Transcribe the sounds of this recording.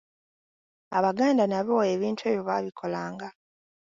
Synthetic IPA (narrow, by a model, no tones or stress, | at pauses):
aβaɡaːndanaβo̞e̞βiːntwe̞ːβjoβaβikʰo̞laːŋɡa